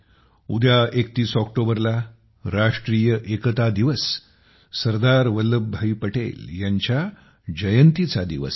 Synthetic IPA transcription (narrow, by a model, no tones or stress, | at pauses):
ud̪jaʔek̚t̪iːsɔkʈobəɾla | ɾaʂʈɾiːjəʔekət̪ad̪iʋəs | səɾd̪aɾʋəlːəbbʱaipəʈḛljaɲt͡ɕja | d͡ʑəjənt̪it͡sad̪iʋə̰s